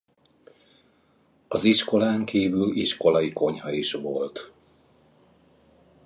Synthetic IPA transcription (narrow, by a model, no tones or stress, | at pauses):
ɒziʃko̞laːŋkʰiːvyliʃko̞lɒjiko̞ɲɦɒiʃʋo̞lt̪